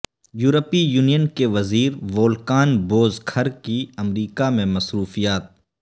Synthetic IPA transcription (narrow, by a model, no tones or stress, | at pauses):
juːɾəpijuːnijənkeʋɐziːɾʋoːlkaːnboːzkʰəɾkiɐmɾiːkamẽmɐsɾuːfijaːt̪̚